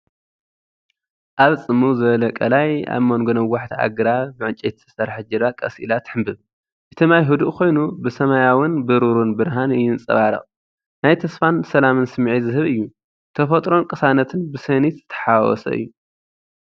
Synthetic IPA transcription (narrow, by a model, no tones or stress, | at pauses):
ʔaβt͡sʼɨmːuzɨβɐlɐkʼɐ̰laja̰βmɐŋɡonɐwaħt̪ʰia̰ɡɨɾabɨʕɨnt͡ʃʼet̪zɨsɐɾħɨd͡ʒɐd̪akʼɐsʔḭlat̪ħɨmbɨβ | ʔɨt̪ʰɨmajɦud̪uʔkʰo̞jnubɨsɐmajawɨnbɨɾuɾunbɨɾɦanɨjɪnt͡sʼɐ̰βaɾɐ̰χʼ | najt̪ʰɐsfansɐlamɨnsɨmːʕizɨɦɨβɨjːu | t̪ʰɐfɐt̪ʼɾo̞nkʼɨsanɐt̪ʰɨnbɨsɐnit̪z̥ɨt̪ʰɐ̥ħawɔ̰sɐ̰ʔɨ̰jːu